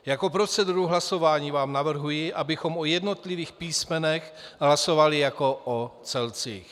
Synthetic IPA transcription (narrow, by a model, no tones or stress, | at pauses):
jako̞pɾo̞t͡sɛduɾuɦlaso̞vaːɲiːvaːmnavr̩ɦujɪʔabɪxo̞mojɛdno̞t̪lɪviːxpiːsmɛnɛxɦlaso̞valɪjako̞ʔot͡sɛlt͡sḭːx